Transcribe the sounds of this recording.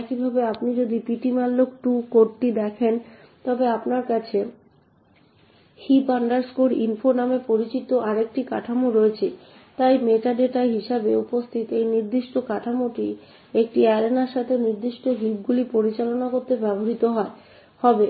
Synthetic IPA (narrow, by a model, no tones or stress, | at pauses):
ɛkibʱabeapnid͡ʑod̪ipiʈimalːok̚ʈukoɾʈid̪ɛkʰent̪ɔbeapnaɾkat͡ɕʰe | hipaɳɖaɾskoɾḭnfonamepoɾit͡ɕit̪oʔaɾek̚ʈika̰ʈʰamuɾoet͡ɕʰe | t̪ajmeʈaɖeʈaɦiʃabeupost̪ʰit̪ejniɾd̪iʃʈokaʈʰamuʈi | ek̚ʈiɛlenaɾʃat̪ʰeniɾd̪iʃʈoɦib̚ɡulipoɾit͡ɕalonakoɾt̪ebɛboɾit̪oɦɔe | hɔbe